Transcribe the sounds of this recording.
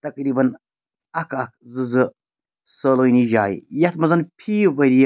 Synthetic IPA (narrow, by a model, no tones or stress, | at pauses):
t̪ɐkɾiːbɐn | ɐkʰɐk̚zɨzɨ | səːloːjniʒaːj̰jɐt̪mɐzɐnpʰiːbɐɾij